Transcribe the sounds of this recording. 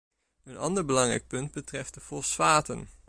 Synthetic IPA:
ənɑ̰ndəɹbəlɑŋrɛ̰jk̚pɵnd̚bətrɛft̚dəfɔlˠsʋaːtə̰n

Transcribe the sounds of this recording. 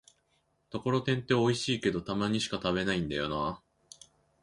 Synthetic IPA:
t̪o̞ko̞ɾo̞t̪ẽ̞nt̪e̞o̞iɕiːke̞d̪o̞t̪amaɲ̟iɕi̥kat̪aβe̞naĩnd̪ajo̞naː

